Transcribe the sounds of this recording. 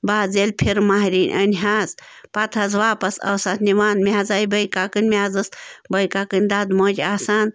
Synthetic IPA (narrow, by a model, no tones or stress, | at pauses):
baːzelʲpʰiɾmaːɦɾiːnʲʔɐ̰nɦaːzpat̪ʰɐzʋaːpɐsɐ̰wsat̪ʰniʋaːnmʲazaːjbɐjkakɨnʲmʲaːzɨsbɐjkaːkɨnʲd̪aːd̪moːd͡ʒaːsaːn